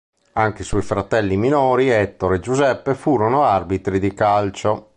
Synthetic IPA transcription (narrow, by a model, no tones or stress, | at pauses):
aŋkeiswɔjfɾat̪ɛlːiminoːɾiɛt̪ːoɾed͡ʒuzɛpːefuːɾonoarbit̪ɾid̪ikalt͡ʃo